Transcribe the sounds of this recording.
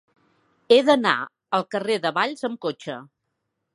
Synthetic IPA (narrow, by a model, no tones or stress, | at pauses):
eðəna̰ | əlˠkəreðəβaʎzəmkot͡ʃə̰